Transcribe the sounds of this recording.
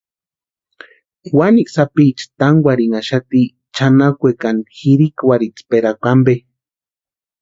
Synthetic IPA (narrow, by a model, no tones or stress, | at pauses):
waniksapit͡ʃt̪aŋɡʷwʷaɾiŋaʃat̪i | t͡ʃanakʷekanxiɾikwaɾit͡speɾakʷambe